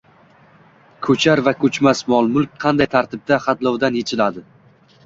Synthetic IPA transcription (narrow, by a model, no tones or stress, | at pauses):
kʰɵt͡ʃʰaɾvakʰɵt͡ʃmasmɒlˠmʊlˠkʲqʰɑnd̪ajt̪ʰaɾt̪ʰɪb̚d̪aχɑt̪lˠɒwd̪anjet͡ʃʰɪlad̪ɪ